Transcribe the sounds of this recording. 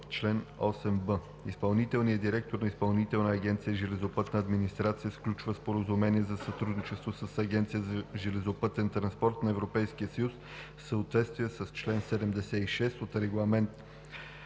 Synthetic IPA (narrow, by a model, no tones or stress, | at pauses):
t͡ʃlɛnɔsɛmbə | ispɐlˠnit̪ɛlˠnijəd̪iɾɛk̚t̪oɾnɐispɐlˠnit̪ɛlˠnəːɡʲɛnt̪sijəʒɛlɛzopɤt̪nəːd̪minist̪ɾat̪sijəfklʲut͡ʃvəspoɾəzumɛniɛzɐsɐt̪ɾud̪nit͡ʃɛst̪vosəsɐɡʲɛnt̪sijəzəʒɛlɛzopɤt̪ɛnt̪ɾɐnspɔɾt̪nɐɛvɾopɛjsk̟iəsəjus | səot̪vɛt̪st̪vijəsəst͡ʃlɛnsɛd̪ɛmd̪ɛsɛiʃɛst̪ot̪ɾɛɡlˠɐmɛnt̪